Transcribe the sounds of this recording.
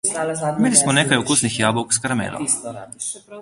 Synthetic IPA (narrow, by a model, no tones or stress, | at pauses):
meːlismɔneːkajukusnixjaːbɔwkskaɾamḛːlɔ̰m